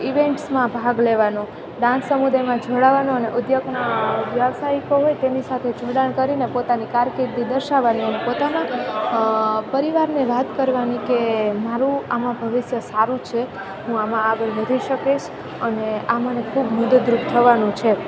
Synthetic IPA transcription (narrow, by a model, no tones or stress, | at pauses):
iʋeɳʈsmãbʱaɡleʋanõ | ɖãsəmud̪ajmãd͡ʒʱoɽaʋanõəneʔʊd̪jəɡnaʋjaʋsaikoɦojt̪enisat̪ʰed͡ʒʱoɽaɳkəɾinepot̪anikaɾkeɾd̪id̪əɾʃaʋaniənepot̪ana | pəɾiʋaɾneʋat̪kəɾʋanikemaɾũamãbʱəʋɪsjəsaɾũt͡ʃʰe | ɦũamãːɡəɾʋəd̪ʱiʃəkeʃ | əneamənekʰubmʊd̪d̪ɾukt̪ʰəʋanũt͡ʃʰe